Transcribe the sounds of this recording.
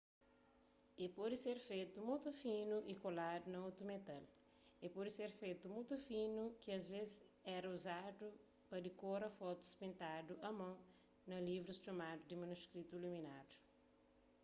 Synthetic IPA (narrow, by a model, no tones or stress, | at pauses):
epɔd̪iseɾfejt̪umut̪ufĩnuʔikolad̪unɐot̪ɾumet̪al | epɔd̪iseɾfejt̪umut̪ufinukiɐzvezɛɾɐuzad̪u | pɐd̪ikoɾɐfɔt̪u̥spĩnt̪ad̪uɐmɐ̃w̃ | nɐlivɾust͡ʃomad̪ud̪imɐnuskɾit̪uiluminad̪u̥